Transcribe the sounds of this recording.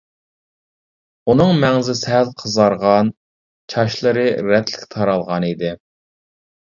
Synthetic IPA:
unɨŋmɛŋzɪsɦælqʰəzɑɾʁɑn | t͡ʃʰɑʃlˠɨɾɨɾɛt̪lɪ̥kʲt̪ʰɑɾɑlˠʁɑnid̪ɪ

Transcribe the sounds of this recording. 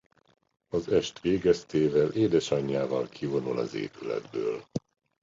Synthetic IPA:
ɒzɛʃt̪ʋeːɡɛst̪eːvɛlʔeːd̪ɛʃɒɲːaːvɒlkʰivo̞nulɒ̰zḛːpylɛ̰d̪̚bøːl

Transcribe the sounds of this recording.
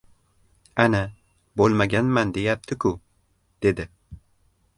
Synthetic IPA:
ana | bolˠmaɡʲanmand̪e̞jap̚t̪ʰɪkʰʊ | d̪̥e̞d̪ɪ

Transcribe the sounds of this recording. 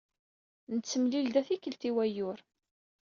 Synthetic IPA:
nət͡sːəmlild̪æθikːəlt̪iwæjʊɾ

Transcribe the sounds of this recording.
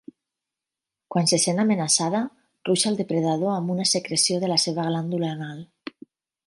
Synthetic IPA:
kwansesenamenasað̞a | ruʃald̪epɾeðað̞oambunasekɾesjoð̞elaseβ̞aɣland̪ulaːnal

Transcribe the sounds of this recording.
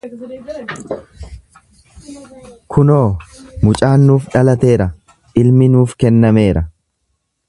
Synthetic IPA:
kʰʊno̞ːmʊt͡ʃʼaːnːuːfᶑɐlɐt̪e̞ːɾɐ | ʔɪlmɪnuːfkɛnːɐme̞ːɾʔɐ

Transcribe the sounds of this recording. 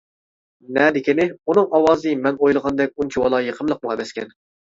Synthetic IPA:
nɛd̪ɪkʲʰinɪunɨŋɑwɑːzɨmɛnojlˠəʁɑnd̪ɛkʲunt͡ʃʰiwɑlˠɑjeqʰəmlˠəq̚mʊʁɛmɛskʲɛ̰n

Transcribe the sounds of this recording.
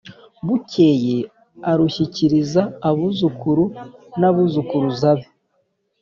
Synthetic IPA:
βuceje | aɾuçiciɾizaːβuzukuɾunaβuzukuɾuzaβi

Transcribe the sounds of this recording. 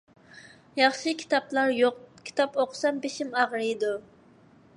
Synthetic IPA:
jɑχʃɨkʲʰi̥t̪ɑplˠɑɾjoqkʲʰi̥t̪ʰɑpoqʰsɑmbeʃɪmɑʁɾɨjd̪u

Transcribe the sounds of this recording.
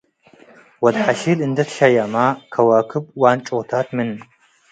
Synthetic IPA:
wɐdħaʃiːlɨndɐtʃɐjɐmaːkʰɐwɐkʰɨbwaːnt͡ʃʼʊʁtʰaːtʰmɨn

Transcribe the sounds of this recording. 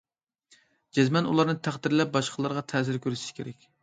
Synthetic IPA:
d͡ʒɛzmɛnulˠɑɾnɨt̪ʰæχd̪ɪɾlɛp̚bɑʃqʰəlˠɑɾʁɑt̪ʰɛsɪɾkʲʰøɾyʃi̥ʃkʲʰeɾɛkʲ

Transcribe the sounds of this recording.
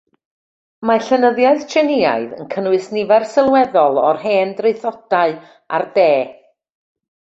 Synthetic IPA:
maɬənəðjaɨðt͡ʃʰɛnɪa̰ɨðə̰nkʰənwɨsnɪvɛrsɪlˠwɛðɔlˠɔrɦɛːndreθɔd̥aɨ | a̰rdeː

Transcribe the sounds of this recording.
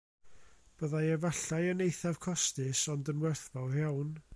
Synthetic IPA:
b̥əðajɛvaɬajənejθav̥kʰɔstɨsɔndənwɛrθbawhawn

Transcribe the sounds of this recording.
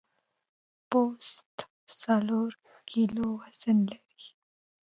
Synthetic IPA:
poːst̪ | saloːɾkiloːɦɐsənlɐɾi

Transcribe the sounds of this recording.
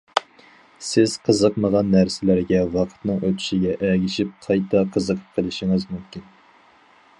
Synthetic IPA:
sɪz̥qʰəzəqməʁɑnːæɾsɪlæɾɡʲɛwɑqʰə̥t̪nɨŋøt̪ʰy̥ʃiɡʲɛʔɛɡʲiʃip̚qʰɑjt̪ʰɑqʰəzəqʰə̥p̚qʰəlˠɨʃiŋɨzmymkʲin

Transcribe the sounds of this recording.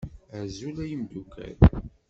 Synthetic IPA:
əzulæjəmd̪ukæ̰l

